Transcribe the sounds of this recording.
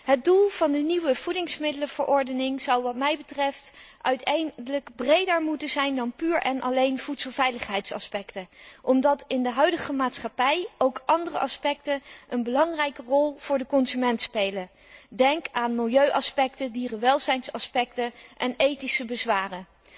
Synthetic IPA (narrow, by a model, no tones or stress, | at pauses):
ɦət̚dulˠv̥ɑndəniwəv̥udɪŋsmɪdələv̥əɹʔɔɹdənɪŋz̥ɑwʋɑtmɛjbətrɛftʔœɥtʰɛjələkbrejdəɹmutənzɛjndɑnpyːɹʔɛnʔɑ̰lejnv̥utsəlˠvɛjləχɦɛjtsɑ̰spɛktəʔɔmdɑtɪndəɦœɥdəχəmaːtsχapɛjowkʔɑndərə̰ʔɑspɛktənʔənbəlɑŋrɛjkərɔlˠv̥ʊːɹdəkɔnzymɛntspejlə | dɛŋkaːnmɪlˠjøɥʔɑspɛktədirəʋɛlˠzɛjnsɑspɛk̚təʔɛnejtisəbəzʋaːrə